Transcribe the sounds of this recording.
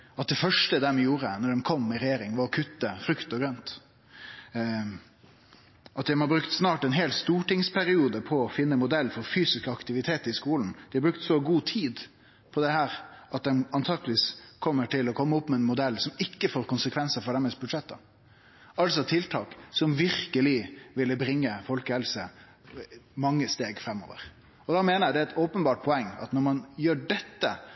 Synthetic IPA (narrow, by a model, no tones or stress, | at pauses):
ɑt̪̚d̪ɛfœʂʈəd̪ɛmɛjuːɾənɔɖɛnkʰɔmːɪɾɛjeːɾɪŋʋɑɾɔkʰʉt̪ːəfɾʉkt̪ɔɡɾœnt̪ | ʔɑt̪̚d̪æmɔbɾʉkt̪snɑːʈɛnɦeːlst̪uːʈɪŋspʰæɾɪuːd̪əpʰɔɔfɪnːəmʊd̪ɛlːfɔɾfyːsɪskəɑkt̪ɪʋɪt̪ʰeːt̪əɾɪskuːln̩d̪̥ɛɑbɾʉkt̪sɔɡuːt̪ʰiːd̪ | pʰɔd̪ɛhæːɾʔɑt̪̚d̪ɛnɑnt̪ʰɑːɡ̪liːskʰɔmːəʈʰɪlɔkʰɔmːəɔpːmɛɛnmʊd̪ɛlːsɔmɪkːəfoːɾkʊnsəkʰʋɛnsəfɔɖɛmɛsbʉd̪ʂɛt̪ːɑ | ɑlsɔt̪ʰɪlt̪ʰɑːksɔmʋɪɾkəlɪʋɪlːəbɾɪŋːəfɔlkəhɛlsə | mɑŋːəst̪eːɡfɾɛmːo̰ːʋə̰ɾ | ɔd̪ɑmeːnəɾjæd̪ɛæɛt̪oːpənbɑːʈ̚pʰɔɛŋːɑ̰t̪nɔɾmɑnjøːɖɛt̪ːə